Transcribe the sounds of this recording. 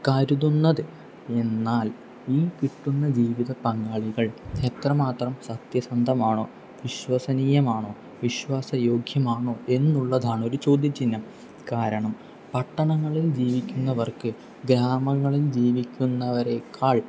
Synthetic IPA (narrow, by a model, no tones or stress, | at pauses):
kɐɾuðunːɐðɨ | e̞nːaːl | iːkiʈːunːɐd͡ʑiːʋiðɐpɐŋɡaːɭiɣɐɭet̪rɐmaːt̪rɐmsɐt̪jɐsɐnd̪ʱɐmaːɳo̞ː | ʋiɕwɐsɐnijɐmaːɳo̞ː | ʋiɕwaːsɐjo̞ːɡʱjɐmaːɳoːe̞nːuɭːɐðaːɳo̞ɾut͡ɕo̞ːd̪ʱjɐt͡ɕːinːɐm | kaːɾɐɳɐm | pɐʈːɐɳɐŋːɐɭild͡ʑiːʋikʲːunːɐʋɐrkɨ | ɡɾaːmɐŋːɐɭild͡ʑiːʋikʲːunːɐʋɐɾe̞kːaːɭ